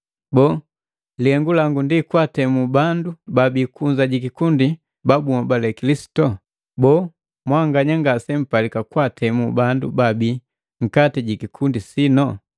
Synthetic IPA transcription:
bɔ | liɛŋɡulaŋɡundikwatɛmubandubabikuɲzaɟikikundi | babumɔbalɛkilisi̥tɔ | bɔː | mwaŋɡaɲaŋɡasɛm̩palikakwatʰɛmubandṵbabi | ŋ̩katiɟikikʰundisinɔ

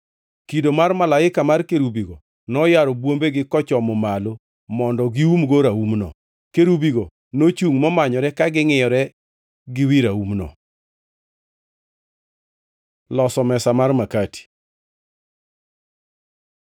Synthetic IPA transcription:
kidomarmalaɪkamarkeɾubiɡo | nɔjaɾɔbwombeɡɪkɔt͡ʃɔmɔmalo | mɔndɔɡiumɡoɾaumnɔ̰ | keɾubiɡo | not͡ʃuŋmɔmaɲɔɾɛkaɡɪŋɪjɔɾɛ | ɡɪwiɾaumnɔ̰ | lɔsɔmɛsamarmakati̥

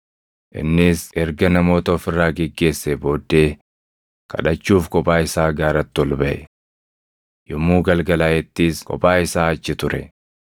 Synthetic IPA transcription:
ʔɪ̰nːɪsɛɾɡɐnɐmo̞ːt̪ɐɔfɪrːaːɡɛɡːe̞ːsːɛbo̞ːd̪ːe̞ː | kɐ̰ᶑɐt͡ʃːuːfkɔpʼaːɪsaːɡaːɾɐt̪ːɔlbɐʔɛ | jʊmːuːɡɐlɡɐlaːjɛt̪ːiːskʼɔ̰pʼaːɪsaːɐt͡ʃːɪt̪ʊɾɛ

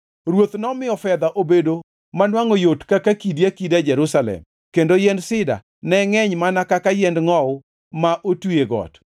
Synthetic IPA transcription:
ɾwot̪nɔmɪɔfɛd̪aʔobedo | manwaŋojotkakakidjakidad͡ʒɛɾusalɛ̰m | kendojɛndsɪda̰ | nɛŋɛɲmanakakajɛndŋɔʊ | maʔotueɡɔ̰t

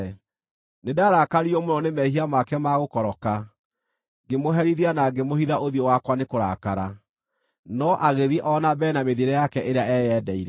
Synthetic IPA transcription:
nedaɾakaɾiɔmonɔnemɛɦiamakɛmaɣokɔɾɔka | ɡemoɦɛɾiðianaɡemohiðaʔoðiɔwakwanekoɾa̰kaɾa | nɔʔaɣeðiʔɔnabɛnameðiɾɛjakɛʔeɾeaɛːjɛːdɛiɾɛ

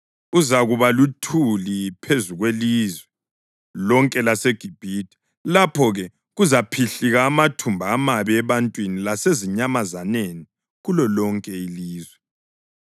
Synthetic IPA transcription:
uzaɣuβalutʰulipʰezuɣwelizwɛ | lɔŋkʼɛlaseɡ̥ʱib̥ʱitʰʼi̥ | lapʰɔɣɛ | ɣuzapʰiɬiɣaːmatʰumbʱaːmaβɛɛβantʼwinilaseziɲamazaneni | ɣulɔlɔŋkʼɛiliːzwɛ

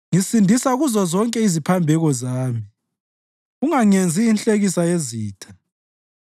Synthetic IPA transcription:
ŋisindʱisaɣuzɔzɔŋkʼɛizipʰambʱɛɣɔzaːmi | uŋaŋend͡zʱiːnɬʼeɣisajeziːtʰḁ

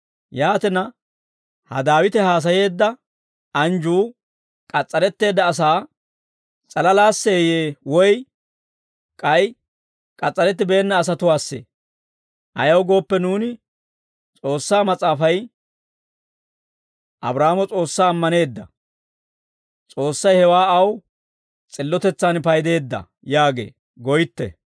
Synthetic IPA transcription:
jaːt̪ɛnɐ | hɐ̰d̪aːwɪt̪ɛhaːs̬ɐje̞ːd̪ːɐ | ɐnd͡ʒuː | kʼɐt͡sʼːɐɾɛt̪ːe̞ːd̪ːɐːs̬aː | t͡sʼɐlɐlaːsːeːjeːwɔj | kʼɐj | kʼɐt͡sʼːɐɾɛt̪̬ːɪbe̞ːnːɐːs̬ɐt̪ʊwaːsːḛː | ʔɐ̰jɐwɡo̞ːpːɛnuːnɪ | t͡sʼo̞ːsːaːmɐt͡sʼaːfɐj | ʔɐ̰bɾaːmɔt͡sʼo̞ːsːaːmːɐne̞ːd̪ːɐ | t͡sʼo̞ːsːɐjhɛwaːɐw | t͡sʼɪlːɔt̪ɛt͡sːaːnpɐjd̪e̞ːd̪ːɐ̰ | jaːɡe̞̰ː | ɡɔjɪt̪ːɛ̰

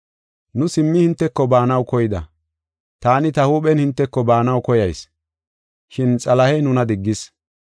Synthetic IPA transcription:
nʊsɪmːɪhɪnt̪ːɛkːɔbaːnɐwkɔjɪd̪ɐ̰ | t̪aːnɪt̪ɐhuːɓɛnhɪnt̪ːɛkːɔbaːnɐwkɔjɐjs | ʃɪnt͡sʼɐlɐhɛjnʊnɐd̪ɪɡːɪs

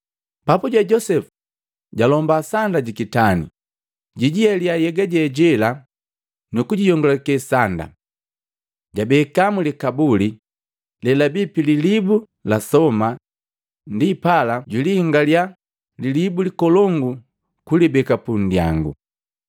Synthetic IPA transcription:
papuɟɛɟɔsɛfu̥ | ɟalɔmbasandaɟikitanḭ | ɟiɟiɛliajɛɡaɟɛɟɛla | nukuɟijɔŋɡɔlakɛsanda̰ | ɟabɛkamulikabuli | lɛlabipililibu | lasɔma | ndipalaɟilihiŋɡalja | lilibulikɔlɔŋɡu | kulibɛkapun̩dja̰ŋɡṵ

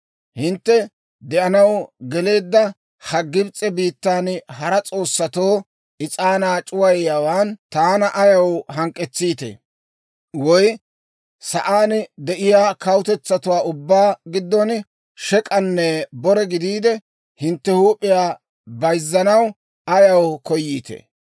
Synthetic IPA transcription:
hɪnt̪ːɛ | d̪ɛʔɐnɐwɡɛle̞ːd̪ːɐ | hɐɡːɪbt͡sʼːɛbiːt̪ːaːnhɐɾɐt͡sʼo̞ːsːɐt̪oː | ɪt͡sʼaːnaːt͡ʃʼʊwɐjːawaːnt̪aːnɐʔɐjɐwɦɐŋkʼːɛt͡sːiːt̪ḛː | wɔj | sɐʔaːnd̪ɛʔɪjaːkɐwʊt̪ɛt͡sːɐt̪ʊwaːʊbːaːɡɪd̪ːɔn | ʃɛkʼɐnːɛbɔɾɛɡɪd̪iːd̪ɛ | hɪnt̪ːɛhuːpʼːɪjaː | bɐjzːɐnɐw | ɐjɐwkɔjːiːt̪ḛ

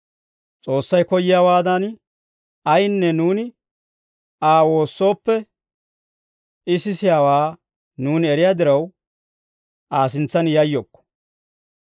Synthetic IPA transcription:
t͡sʼo̞ːsːɐjkɔjɪjaːwaːd̪ɐn | ɐjnːɛnuːnɪ | aːwo̞ːsːo̞ːpːɛ | ɪsɪsɪjaːwaː | nuːnɪɛɾɪjaːd̪ɪɾɐw | ʔaːs̬ɪnt͡sːɐnjɐjːoːkːɔ̥

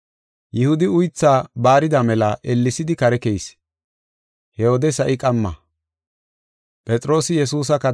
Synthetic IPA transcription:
jɪhʊd̪ɪʊjt͡sːaːbaːɾɪd̪ɐmɛlɐʔɛlːɪsɪd̪ɪkɐɾɛkɛjs | hɛoːd̪ɛsɐʔɪkʼɐmːɐ̰ | pʼɛt͡sʼɾo̞ːsɪjɛsuːs̬ɐkːɐ

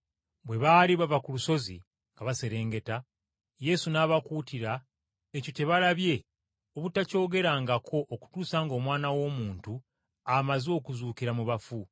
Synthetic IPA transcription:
bwe̞βaːliβavakuluso̞zḭ | ŋɡaβase̞ɾe̞ːŋɡe̞ta | je̞sunaːβakuːtiɾa | ecite̞βalaβje̞ | oβutaco̞ːɡe̞ɾaːŋɡakʰo̞ʔːku̥tuːsaːŋɡo̞ːmwaːnawo̞ːmuːntu | amazo̞ːkuzuːkiɾamuβafu

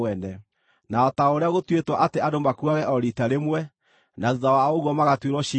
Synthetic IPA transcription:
ɛnɛ | naɔtaoɾeaɣotwetwaʔateadomakuaɣɛʔɔɾitaɾemwɛ | naðuðawaoɣwɔmaɣatweɾwɔʃi

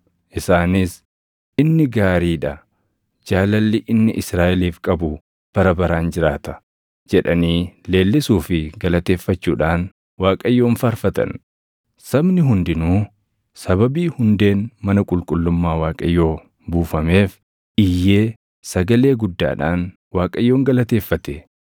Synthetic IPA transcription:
ʔɪsaːnɪs | ʔɪnːɪɡaːɾiːᶑɐ | d͡ʒaːlɐlːɪʔɪnːɪʔɪsɾaːʔɛliːfkʼɐbʊ | b̥ɐɾɐbɐɾaːnd͡ʒɪɾaːt̪ɐ̥ | d͡ʒɛᶑɐniːle̞ːlːɪsuːfɪɡɐlɐt̪e̞ːfːɐt͡ʃːuːᶑaːn | waːkʼɐjːo̞ːnfɐɾfɐt̪ɐ̰n | sɐbnɪɦʊnd̪ɪnuː | sɐβɐbiːhʊnd̪e̞ːnmɐnɐkʼʊlkʼʊlːʊmːaːwaːkʼɐjːo̞ː | buːfɐme̞ːf | ʔɪjːe̞ː | sɐɡɐle̞ːɡʊd̪ːa̰ːᶑaːn | waːkʼɐjːoːŋɡɐlɐt̪e̞ːfːɐt̪ɛ

